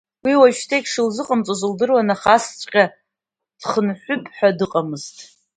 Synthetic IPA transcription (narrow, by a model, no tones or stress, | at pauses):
wiwaʒtʰekʲʂɨlzɨqʼamt͡sʼozɨldɨrwanaχast͡sʷʼqʲʼa | d̥χənħʷʊpʼħʷᶣadɨqʼamɨztʼ